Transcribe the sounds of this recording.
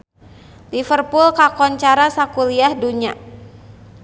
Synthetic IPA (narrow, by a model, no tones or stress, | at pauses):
lifərpʊlkakɔnt͡ʃaɾasakuliahduɲa